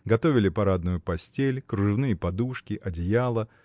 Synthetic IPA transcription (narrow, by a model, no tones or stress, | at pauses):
ɡɐt̪o̞vʲɪlʲɪpɐɾad̪nʊjʊpɐsʲtʲelʲkɾʊʐɨnɨjəpɐd̪uʂkʲɪʔɐdʲɪjalˠə